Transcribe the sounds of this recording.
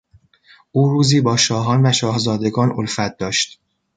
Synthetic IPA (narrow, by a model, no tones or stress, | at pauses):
ʔuːɾuːziːbɒːʃɒːɦɒːnvæʃɒːhzɒːd̪e̞ɡɒːnʔolfæt̪̚d̪ɒːʃt̪